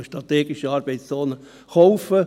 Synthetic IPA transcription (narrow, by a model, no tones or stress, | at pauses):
əʃtɾʁɑt̪ɛːɡɪʃəɑːɾb̥ɛɪt͡st͡soːnə | χowfə